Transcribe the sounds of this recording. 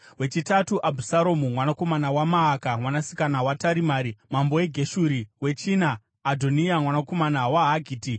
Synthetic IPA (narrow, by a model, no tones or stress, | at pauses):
we̞t͡ʃitatuʔabʱusaɾomumwanako̞manawamaːkamwanasi̥kanawataɾimaːɾimambo̞eɡʱe̞ʃuɾiwe̞t͡ʃiːnaː | dʱo̞niamwanako̞manawaɦaɡʱiːti